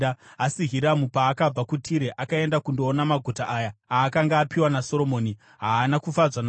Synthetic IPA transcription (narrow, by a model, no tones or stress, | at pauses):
asiɦiɾamupaːkab͡vakutʰiɾeʔakae̞ndakundoːnamaɡʱutaʔaːjaaːkaŋɡaːpiwanaso̞ɾomo̞ːni | ɦaːnakufad͡zwan